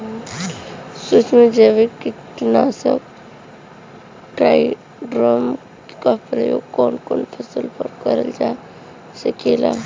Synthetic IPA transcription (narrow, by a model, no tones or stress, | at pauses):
sut͡ʃmed͡ʒeʋikiʈnaːsək | ʈɾaj | ɖɾom | kapɾəjoːɡkoːnkoːnpʰəsəlpəɾkəɾə̰ld͡ʒa | sekela̰